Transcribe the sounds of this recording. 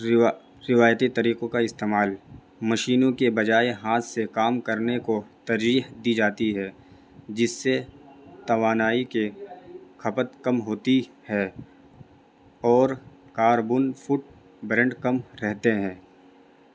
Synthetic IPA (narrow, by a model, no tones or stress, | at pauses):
ɾɪʋaːjt̪it̪ɐɾiːqõkaɪst̪eːmaːl | mɐʃiːnõkebɐd͡ʒaːeɦaːt̪sekaːmkɐɾnekot̪ɐɾd͡ʒiːɦd̪iːd͡ʒaːt̪iɦɛː | d͡ʒɪsːet̪ɐʋaːnaːike | kʰɐpət̪kɐmɦoːt̪i | hɛː | ɔːɾkaːɾbuːnfʰʊʈ̚ | bɾə̃ɳɖkɐmɾɛɦt̪eɦɛ̃ː